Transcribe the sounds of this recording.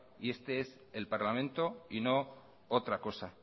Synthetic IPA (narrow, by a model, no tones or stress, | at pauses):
ie̞st̪e̞es | e̞lpaɾlamẽ̞nt̪o̞ino̞ | ot̪ɾako̞sa